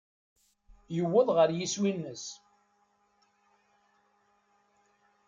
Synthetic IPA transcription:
jəwːəðˤʁəɾjiswinːəs

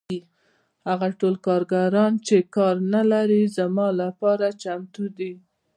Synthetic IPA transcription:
haɣaʈolkɑɾɡaɾɑnt͡ʃekɑɾnalaɾizamɑlapɑɾat͡ʃamt̪ud̪i

